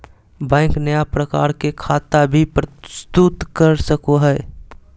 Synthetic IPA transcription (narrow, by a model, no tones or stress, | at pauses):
bɛ̃ːŋknəjapɾəkaːɾkekʰaːt̪abʱipɾəɪst̪ut̪kəɾsəkoɦɛː